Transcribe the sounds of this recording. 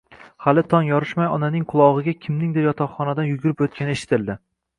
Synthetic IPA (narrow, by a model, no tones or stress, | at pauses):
halɪt̪ʰɒŋjɒɾɪʃmajɒnanɪŋqʰʊlˠɒʁɨɡʲakʲʰɪmnɪŋd̪ɪɾjɒt̪ʰɒχχɒnad̪anjʊɡʲʊɾɪpot̪̚kʲanɪeʃɪ̥t̪ʰɪld̪ɪ